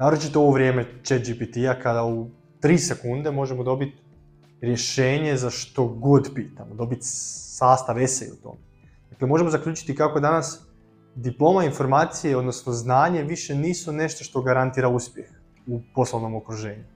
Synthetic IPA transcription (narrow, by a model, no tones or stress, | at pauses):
naːɾot͡ʃit̪ooʋoʋɾje̞ːme̞t͡ʃet̪d͡ʒipit̪iakad̪au | t̪ɾiːse̞kund̪e̞mo̞ʒemod̪o̞bit̪ | ɾje̞ʃe̞ːɲe̞zaʃt̪o̞ɡo̞d̪piːt̪amod̪o̞bit̪saːst̪aʋe̞sḛṵt̪o̰me | d̪̥aklemo̞ʒe̞mo̞zakʎʲuːt͡ʃi̥t̪ikako̞d̪anas | d̪iplo̞ːmainfo̞ɾmaːt̪sijeo̞d̪no̞sno̞znaːɲe̞ʋiʃe̞niːsune̞ʃt̪o̞ʃt̪o̞ɡaɾant̪iːɾauspje̞x | upo̞slˠoʋno̞mokɾuʒe̞ːɲu